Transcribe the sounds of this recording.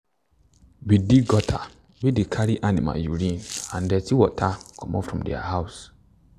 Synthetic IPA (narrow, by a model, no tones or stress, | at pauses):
bidiɡɔtʰa̰ | bidikʰaɾiʔanima̰juɾĩnãndɛtiwɔtʰakʰɔ̃mɔfɹɔ̃mdɛ̰a̰haʊs